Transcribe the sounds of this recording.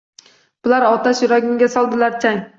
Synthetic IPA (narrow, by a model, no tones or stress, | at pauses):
b̥ɪlaɾɒt̪asjʊɾɒɡʲɪŋɡʲasɒlˠd̪ɪlaɾt͡ʃʰaj